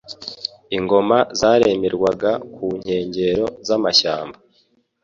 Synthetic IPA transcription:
iŋɡo̞mazaːɾe̞meɾɡwaɡakuɲ̥he̞ːɲɟe̞ɾo̞zamaʃaːmba

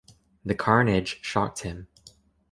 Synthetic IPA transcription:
ðɨkʰɑɹnɪd̥ʒ̥ʃɑk̚t̚hɪ̃m

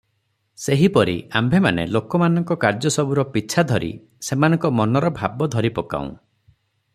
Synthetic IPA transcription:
seɦipɔɾḭa̰mbʱemanḛlokɔmanɔŋkɔkaɾd͡ʒɔsɔbuɾɔpiːt͡ʃʰad̪ʱɔɾḭ | semanɔ̃ŋkɔmɔnɔɾɔbʱabɔd̪ʱɔɾipɔka̰ṵ̃

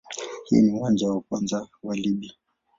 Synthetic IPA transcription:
hḭniuwand͡ʒawakwanzawaliɓia

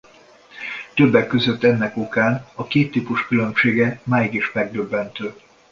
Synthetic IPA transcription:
t̪ø̞bːɛkːøzø̞t̪ːɛnːɛkokaːnɒkeːt̪ːiːpuʃkylø̞mʃeːɡɛmaːjiɡiʃmɛɡ̚d̪ø̞bːɛnt̪øː

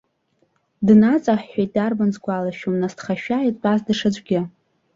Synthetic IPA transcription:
dnat͡sʼaħejt̚ʼdarbanzɡʷalaʃᶣomnastχaʃᶣajtʼbʼasdɨʂad͡ʒʷʼɡʲɪ

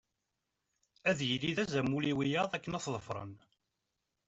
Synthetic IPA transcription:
æðjəliðæzæmːuliwijɑðˤækːənɑθðˤəfɾˤə̰n

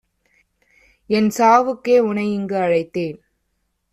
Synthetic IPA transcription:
ɛnsaːʋɯkːeːʊɳɐɪjɪŋɡɯɐɻɐɪt̪ːeːn

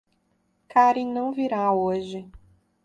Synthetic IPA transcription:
kaɾĩnɐ̃w̃viɾaoʒɪ

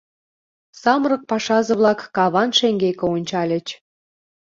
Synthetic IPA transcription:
sɑmrɤ̆k̚pɑʃɑzə̆βlɑkːɑβɑnʃeŋɡekĕonʲt͡ɕɑlʲə̆t͡ɕ

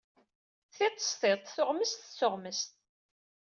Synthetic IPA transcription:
θɪt̪ˤːə̥st̪ˤeðˤθʊʁməst̪t͡sːʊʁməst̪̚

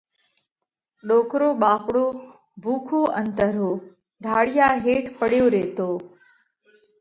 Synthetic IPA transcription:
ɗoːkɾoːɓaːpɽoː | bʱuːkʰoːʔə̃nt̪əɾɦoː | ɖʱaːɽɪjaːɦeːʈʰpəɽjoːɾeːt̪oː

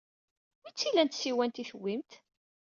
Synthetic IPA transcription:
mit͡sːilænt̪siwænt̪iθəwːimt̪

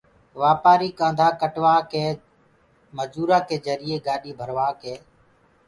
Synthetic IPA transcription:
ʋaːpaːɾiːkãːnd̪ʱaːkəʈʋaːkeː | məd͡ʒuːɾaːkeːd͡ʒəɾɪːeːɡaːɗiːbʱəɾʋaːkeː

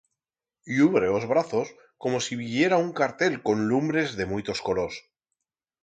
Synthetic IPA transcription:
uβɾeozβɾaθo̞s | ko̞mo̞siβiʝje̞ɾauŋkaɾt̪e̞lko̞nlumbɾe̞zðe̞mujt̪o̞skolos

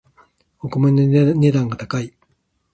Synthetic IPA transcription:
okomoɲʲinoɲʲed̪ãŋɡat̪akai

